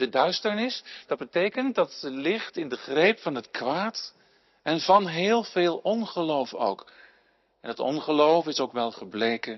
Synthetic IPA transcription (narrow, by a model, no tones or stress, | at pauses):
dədœɥstəɹnɪsd̥ɑd̚bətejkənt̚dɑtəlɪχtɪndəχrejpfɑnɦətkʋaːt | ɛnvɑnɦɪːlˠvɪːlˠɔnχəlowfo̰wk | ɛnətɔ̰nχəlowfɪsowkʋɛlˠχəblejkə